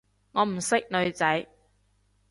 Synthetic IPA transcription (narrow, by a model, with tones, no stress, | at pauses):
ŋɔː˨˧m̩˨˩sɪ˥k̚nɵ˨˧ɥt͡sɐ˨˥j